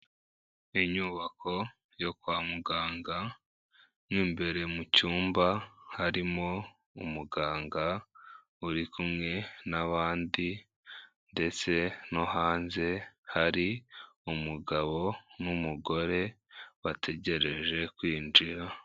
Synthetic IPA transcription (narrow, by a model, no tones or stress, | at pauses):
iɲuːβakʰo̞ | jo̞kwaːmuɡaːŋɡa | mŋiːmbe̞ɾe̞mucuːmbahaɾimo̞ | umuɡaːŋɡa | uɾikumŋe̞naβaːndi | nde̞t͡se̞no̞ɦaːnze̞haɾi | umuɡaβo̞numuɡo̞ɾe̞ | βatʰe̞ɟe̞ɾe̞ʒe̞kwiːnd͡ʒiɾa